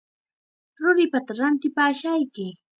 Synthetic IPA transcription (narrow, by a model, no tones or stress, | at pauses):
ɾʊɾɪpat̪aɾant̪ɪpaːʃajkɪ